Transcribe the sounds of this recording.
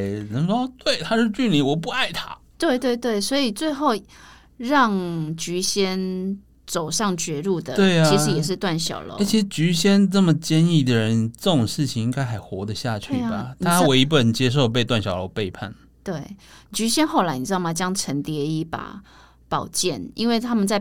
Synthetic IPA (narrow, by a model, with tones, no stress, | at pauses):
nə˧˦˥ŋʂo˥ɑ˥˧t̪we˥˩ɪt̪ʰa˥ʂɻ̩˥˧t͡ɕy˥˩nli˧˥wɔ˨˩p̬u˥˧a˥˩ɪt̪ʰa˦ | t̪we˥˧ɪt̪we˥˧ɪt̪we˥˩ɪswɔ˧˥i˨˩t͡swe˥˧ɪxo˥˩ʊ | ɻɑ˥˩ŋt͡ɕy˧˥ɕjɛ˥n | t͡so˨˩ʊʂɑ˥˩ŋt͡ɕɥɛ˧˥ɻu˥˩d̪ə˨t̪we˥˩ɪat͡ɕʰi˧˥ʂ̩˧˦jɛ˨˩ʂɻ̩˥˧t̪wa˥˩nɕjɑ̰˨˩ʊlo̰˧˦˥t͡ɕʰi˧˥ʂ̩˧˥t͡ɕy˧˥ɕjɛ˥nt͡sə˥˩mə˨˩t͡ɕjɛ˥ni˥˩d̪ə˨˩ɻə˧˦nt͡sə˥˩ʈ͡ʂo˨ŋʂɻ̩˥˩t͡ɕʰi˨˩ŋi˥ŋɡa˥ɪxa˧˥ɪxwɔ˧˥d̪ə˨ɕja˥˧t͡ɕʰy˥˩ba˩t̪ʰa˨˥a˥we˧˥ɪi˥pə˨˩nt͡ɕjɛ˥ʂ̬o˥˧ʊp̬e˥˧ɪt̪wa˥˨nɕjɑ˨˩ʊlo˧˥ʊpe˥˧ɪpʰa̰˥˩n | t̪we˥˩ɪt͡ɕy˧˥ɕjɛ˥nxo˥˩ʊla˧˥ɪni˨˩ɻ̩˥t̪ma˨˩t͡ɕjɑ˦˥ŋʈ͡ʂʰə˧˥nt̪jɛ˧˦i˧˥pa̰˨˩ | pɑ˨˩ʊt͡ɕjɛ˥˨nḭ˥nwe˥˩ɪt̪ʰa˥mə˨nt͡sa˥˩ɪ